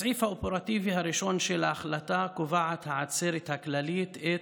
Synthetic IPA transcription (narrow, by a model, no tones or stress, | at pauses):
ʕifhaopeʁat̪ivihaɾiʃo̞nʃelaːχlat̪akovaʕat̪haʕat͡seɾet̪haklalit̪e